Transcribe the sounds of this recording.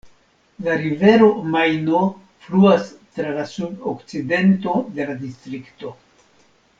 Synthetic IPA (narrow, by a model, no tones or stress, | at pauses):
laɾive̞ɾo̞majno̞ | fluas | tɾalasubokt͡side̞nto̞de̞ladistɾikto̞